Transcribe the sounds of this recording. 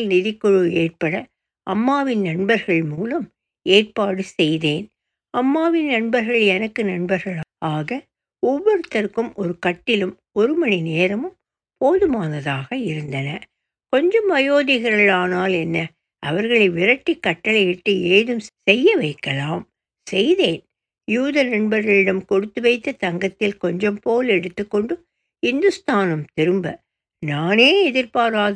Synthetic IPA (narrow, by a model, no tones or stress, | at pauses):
lnɪðɪkːɔɻɯeːʈ̚pɐɽɐ | ʔɐmːaːʋɪnnɐɳbɐɾɣɐɭmuːlɐm | eːr̚paːɽɯsɛjðeːn | ɐmːaːʋɪnnɐɳbɐɾɣɐɭɛnɐkːɯnɐɳbɐɾɣɐɭaːɣɐ | ɔʋːɔɾɯt̪ːɐɾkɯmɔɾɯkɐʈːɪlɯm | ɔɾɯmɐnineːɾɐmɯm | poːðɯmaːnɐðaːɣɐɪɾɯnd̪ɐnɐ | kɔɲd͡ʒɐmɐjoːðɪɣɐɾɐɭaːnaːlɛnːɐ | ʔɐʋɐɾɣɐɭɐɪʋɪɾɐʈːikːɐʈːɐɭɐɪɪʈːɯeːðɯmsɛjːɐʋɐɪkːɐlaːm | sɛjðeːn | juːðɐɾɛɳbɐɾɣɐɭɪɽɐmkɔɽɯt̪ːɯʋɐɪt̪ːɐt̪ɐŋɡɐt̪ːɪlkɔɲd͡ʒɔmpoːlɛɽɯt̪ːɯkːɔɳɖɯ | hɪnd̪ɯst̪aːnɐmt̪ɪɾɯmbɐ | naːneːɛðɪɾpaːɾaːð